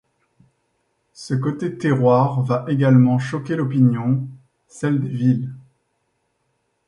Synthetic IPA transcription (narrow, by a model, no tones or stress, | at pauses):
sək̬ot̪et̪eʁwaʁvaʔeɡalmɑ̃ʃɔkʲelɔp̬injɔ̃ | sɛld̪evil